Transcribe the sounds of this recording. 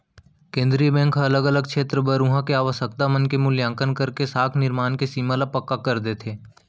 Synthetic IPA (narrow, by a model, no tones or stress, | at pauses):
kẽːnd̪ɾiːbɛ̃ːŋkɐləɡələɡ̚kʃeːt̪ɾəbəɾũɦãkeaːʋəʃək̚t̪amənkemʊljãːŋkənkəɾkesaːkʰnɪɾmaːnkesiːmalapɐkːakɐɾd̪eːt̪ʰeː